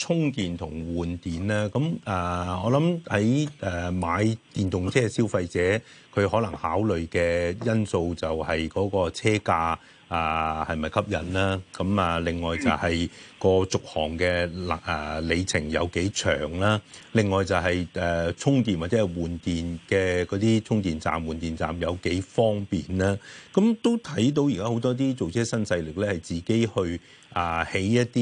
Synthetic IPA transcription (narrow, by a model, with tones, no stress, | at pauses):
t͡sʰʊ˥ŋk̪iː˨nt̪ʰʊ˨˩ŋwuː˨nt̪iː˨nlaː˥kɐ˨˦mɛː˨˩ɔː˨˧˥lɐ˨˥mhɐ˨˥jɛː˨maː˨˧˥jt̪iː˨nt̪ʊ˨ŋt͡sʰɛː˥siː˥wfɐ˧jt͡sɛː˨˥ | kʰɵ˨˧ɥhɔː˨˥lɐ˨˩ŋhaː˨˥wlɵ˨ɥkɛː˧jɐ˥nso˧wt͡sɐ˨whɐ˨jkɔː˨˥kɔː˧t͡sʰɛː˥kaː˧ | aː˨˩hɐ˨jmɐ˨˩jkʰɐ˥p̚jɐ̰˨nlaː˥kɐ˨˥mɛ˨lɪ˨ŋːɔː˨jt͡sɐ̰˨whɐ˨jkɔː˧t͡sʊ˨k̚hɔ̰ː˨˩ŋkɛː˧lɐ˨˩le˨˧jt͡sʰɪ˨˩ŋjɐ̰˨˧wke˨˥jt͡ʃʰœ̰ː˨˩ŋlaː˥lɪ˨˩ŋːɔː˨jt͡sɐ˨wɦɐ˨jɛː˨t͡sʰʊ˥ŋt̪iː˨nwaː˨t̚t͡sɛ˨˦˥ɛ˨˩jwuː˨˩nt̪iː˨nkɛː˧kɔː˨˥t̪iː˥t͡sʰʊ˥ŋt̪iː˨nt͡sa̰ː˨mwuː˨˩nt̪iː˨˩nt͡sa̰ː˨mjɐ˨˧wke˨˥jfɔː˥ŋpiː˨˩nlaː˥kɐ˨˦mt̪o˥wt̪ʰɐ˨˥jt̪̬o˧wjiː˨kaː˥ho˨˥wt̪ɔː˥t̪̬iː˥t͡so˨wt͡sʰɛː˥sɐ˥nsɐ˧jlɪ˨k̚lɛː˥hɐ˨˩jt͡siː˨˩ke˥jhɵ˧ɥ | aː˨˩he˨˥jjɐ˥t̚t̪iː˥